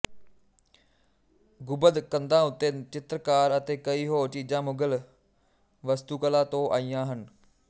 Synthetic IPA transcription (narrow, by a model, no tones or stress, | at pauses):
ɡʊbəd̪kənd̪ãːʊt̪ːeːt͡ʃɪt̪ɾəkaːɾət̪eːkəiːɦoːt͡ʃiːd͡ʒãːmʊɡəl | ʋəst̪uːkəlãːt̪õːʔaːijãːɦən